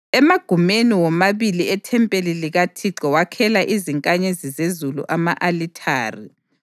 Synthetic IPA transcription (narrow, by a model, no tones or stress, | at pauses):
ɛmaɡ̥ʱumeniwɔmaβiliɛtʰɛmpʼeliliɣatʰiǁɔwakʰɛlaʔiziŋkʼaɲezizezulṵʔamaʔalitʰaːrḭ